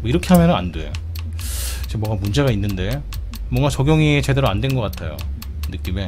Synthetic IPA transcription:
mʌiɾʌkʰeɦamjʌnɯna̰ndwḛjo | id͡ʑemwʌŋɡamund͡ʑe̞ɡainːɯnde̞ | mwʌŋɡat͡ɕʌɡjoŋit͡ɕe̞de̞ɾoandwe̞nɡʌk͈atʰajo̰ | nɯk͈ime̞

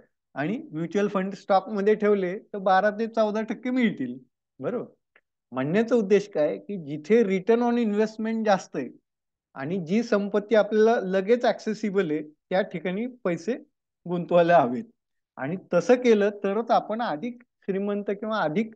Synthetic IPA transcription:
aɽ̃imjut͡ɕuəlfəɳɖsʈɔk̚məd̪ʱːjeʈʰeʋlet̪əɾbaɾat̪̬et͡sawd̪ʱaʈʰəkːemiɭt̪iːl | bəɾobəɾ | m̤əɳːjat͡səud̪ːeɕkajkiːd͡ʑit̪ʰeɾiʈəɾnɔninʋesʈmeɳʈd͡zast̪əj | a̰ɽ̃id͡ʑiːsəmpət̪ːiːapljalaləɡet͡sæksesibəlet̪jaʈʰikaɽ̃iːpəjse | ɡont̪ʋaləaʋet̪̚ | a̰ɽ̃it̪əsəːkeləːt̪əɾət͡sapəɳad̪ʱiːk | ɕɾimənt̪əkĩw̃ʋaːd̪ʱiːk̚

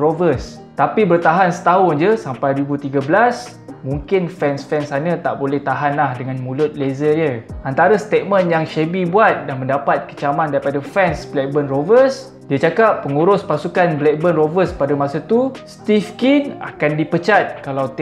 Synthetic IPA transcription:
ɾovəs | t̪apibərt̪aɦansə̥t̪aɦʊnd͡ʒəsampajdwibut̪iɡabəlas | mũŋkɪnfɛnsfɛnsanə̃t̪aʔbolɛht̪aɦanlahdəŋãnmũlʊt̪̚lezədjəant̪aɾəst̪et̪̚mə̃njaŋʃebibuat̪̚danmə̃ndapat̪̚kə̥t͡ʃamãndaɾipadafɛnsblɛk̚bənrovəs | diat͡ʃakapːəŋuɾʊspasukanblɛk̚bənrovəspadəmasət̪ust̪ifkina̰kandipət͡ʃat̪̚kalawt̪

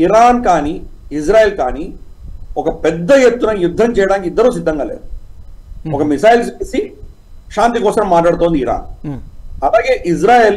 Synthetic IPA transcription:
iɾaːnkaːniis̬ɾaːjelkaːni | ɔkɐpɛd̪ːɐjet̪ːunɐjud̪ʱːɐnt͡ʃɛjɽaːŋkid̪ːɐɾuːs̬id̪ːɐŋɡɐ̰lḛː | okɐmisaːjlsiisi | ʃaːnt̪ikoːsɐɾɐmːaːʈ̬aːɽt̪oːnd̪iɾa̰ːn | ɐlaːɡeʔis̬ɾaːjeːl

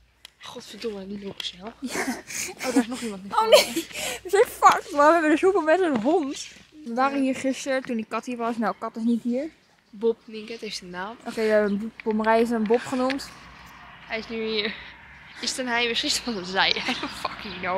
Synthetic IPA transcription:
aχɔtfədolənilokə̥sɛlfjaowdɪsnɔχimɑntnɛoneʋəsɛfɑkʋaʋɛbədəsupəmɛtənɦɔntʋəʋaːɾəɦiːɹχɪstəɹtundikɑthiːɹʋɑsnawkɑtɪsnitɦiːəɹ | bɔp̚nɪŋkəthejftənaːmʔokejdɛənb̥omərɛjɪs̬əənbopχənumt | hɛjɪsnyiɹ | ɪstənɦɛjʋɪsχɪstəɔəzɛjɛsəfɑkino

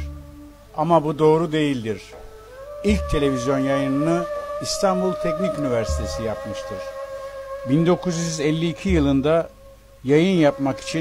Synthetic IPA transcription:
amabud̪o̞ːɾud̪e̞jilʲd̪iɾ̥ | ilʲc̚t̪ʰe̞lʲe̞vizjo̞njajɯnɯnɯist̪ʰanbulˠt̪ʰɛcnicynivæɾsi̥t̪ʰe̞sijapmɯʃt̪ʰɯɾ̥ | bind̪o̞kʰuzjyzɛlʲːiːcʰijɯlˠɯnd̪a | jajɯnjapmaki̥t͡ʃʰi

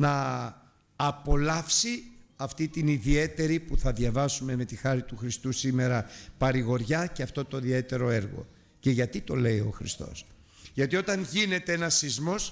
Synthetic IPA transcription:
nɐː | po̞lɐfsiɐft̪it̪iniðie̞t̪e̞ɾipuθɐðʝɐvɐsume̞me̞t̪ixɐɾit̪uxɾist̪usime̞ɾɐpɐɾiɣo̞ɾʝɐceɐft̪o̞t̪o̞ðie̞t̪e̞ɾo̞e̞ɾɣo̞̰ | ce̞ʝɐt̪it̪o̞le̞io̞̰xɾḭst̪o̞̰s | ʝɐt̪iot̪ɐnʝine̞t̪e̞enɐsizmo̞s

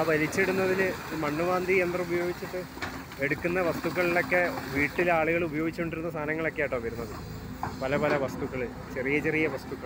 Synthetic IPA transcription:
aːʋɐlit͡ɕːeɽunːɐðilimɐɳːuʋaːnd̪ʱiend̪rɐubɐjoːɡit͡ɕːiʈːɨ | e̞ɽukːunːɐʋɐst̪uɣːɐɭilo̞kːe̞ʋiːʈːilaːɭuɣɐɭubɐjo̞ːɡit͡ɕːuuɳɖiɾunːɐst̪ʰaːnɐŋːɐɭo̞kːeaːjʈːɐɐbɐɾunːɐðɨ | pɐlɐpɐlɐʋɐst̪uɣɐɭɨ | t͡ɕerijɐt͡ɕerijɐʋɐst̪uɣːɐɭ

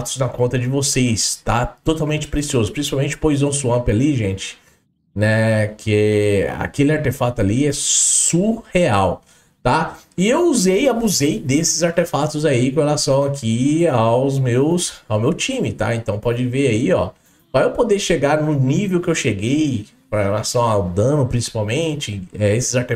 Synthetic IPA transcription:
t̪ʊ̥znɐkõnt̪ɐd͡ʒɪvosest̪at̪ot̪awmẽnt͡ʃɪ̥pɾesiozʊpɾĩsi̥pawmẽnt͡ʃɪ̥pojzɐ̃suɐ̃pɪaliʒẽnt͡ʃɪ̥ | nɛkʰɪɛa̰kelɪaɾt̪efat̪ʊaliɛsuheaw | t̪aɪewuzejabuzejd̪esɪzaɾt̪efat̪ʊzaikõhelasɐ̃w̃akʰiawzmewsawmewt͡ʃĩmɪt̪aẽnt̪ɐ̃w̃pɔd͡ʒɪveɾaiɔ | vajewpod̪eʃeɡaɾnʊnivewkɪewʃeɡej | pɾɐhelasɐ̃w̃aʊd̪ɐ̃nʊpɾĩsi̥pawmẽt͡ʃɪɛesɪzaɾt̪e

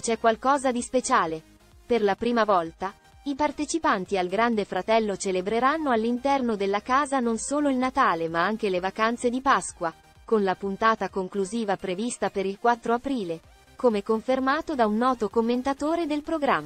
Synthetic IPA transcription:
t͡ʃɛkːwalkɔːzad̪ispet͡ʃaːle | perlapɾiːmavɔlt̪a | ipart̪et͡ʃipant̪ialɡɾand̪efɾat̪ɛlːot͡ʃelebɾeɾanːoalːint̪ɛrnod̪elːakaːzanonsoːloilnat̪aːlemaaŋk̟elevakant̪sed̪ipaskwa | konlapunt̪aːt̪akoŋkluziːvapɾevist̪apeɾilkwat̪ːɾoapɾiːle | komekoɱfermaːt̪od̪aunːɔːt̪okomːent̪at̪oːɾed̪elpɾoɡɾamː

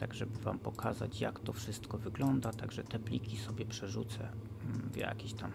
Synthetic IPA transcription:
t̪aɡʐɛbɘvampɔkʰaza̰t͡ɕjakt̪ɔfʂɘst̪kɔvɘɡlɔnd̪at̪aɡʐɛt̪ɛblʲikʲisɔbʲjɛpʂɛʐut̪sɛ̰vja̰kʲiɕt̪am

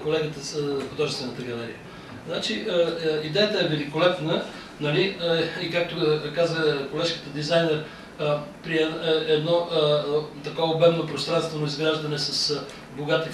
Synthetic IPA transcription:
kolɛɡət̪əxod̪ɔʒɛst̪vɛnət̪əɡɐlɛɾḭə | znat͡ʃiʔəid̪ɛjət̪əɛvɛlikolɛp̪nə | nɐliikak̚t̪okazvəkolɛʃki̥t̪əd̪izajnɛɾ | pɾiɛɛd̪nɔ | t̪ɐkɔvobɛmnopɾost̪ɾanst̪vɛnoizɡɾaʒd̪ɐnɛsɐs | boɡat̪i

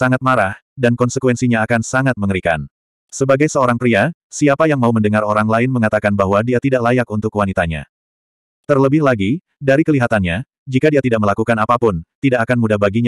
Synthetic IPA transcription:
saŋat̪̚maɾah | dankɔnsəkwɛnsiɲaːkansaŋat̪̚məŋəɾika̰n | səbaɡajsəoɾaŋpɾiasiapajaŋmauməndəŋaɾoɾaŋlaɪnməŋat̪akanbaɦwadiat̪idaʔlajakunt̪ʊkwanit̪aɲa̰ | t̪ərləbɪhlaɡi | daɾikəliɦat̪anɲa | d͡ʒikadiat̪idaʔ̚məlakukanapapʊnt̪idaʔakanmudahbaɡiɲa

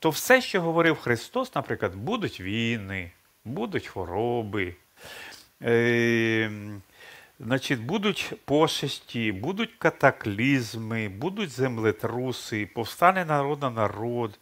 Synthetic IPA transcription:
t̪ɔwsɛʃt͡ʃɔɦɔʋɔɾɪwxɾɪst̪ɔsnɐpɾɪklˠɐd̪bud̪ʊtʲʋʲijnɪ | bud̪ʊtʲxɔɾɔbɪ | znɑt͡ʃɪtʲbud̪ʊtʲpɔʃɐsʲtʲibud̪ʊtʲkɐt̪ɐklʲizmɪbud̪ʊtʲzemlˠɪt̪ɾusɪpɔwst̪ɑnɛnɐɾɔd̪nɐnɐɾɔd̪

